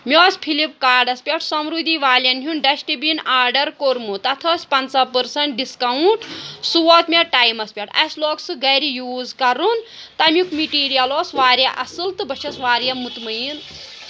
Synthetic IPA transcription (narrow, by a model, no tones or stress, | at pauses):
mʲoːspʰilip̚kaːɾɖɐspʲeʈʰsɐmɾud̪ʱiʋaːlʲjɐnɦʲunɖɐsʈibinaːɾɖɐɾkoɾmut̪ɐt̪ʰɐːsʲpɐnsɐpəɾsɐɳʈ̚ɖiskawuɳʈsuʋɔt̪mʲeʈaːjmɐspʲeʈʰɐ̰sloːksɨɡɐjɾijuːzkɐɾun | t̪ɐmʲjukmiʈiːɾijɐloːsʋaːɾjaʔɐsɨlt̪ɨbɐt͡ʃʰɐsʋaːɾjɐmut̪mɐjin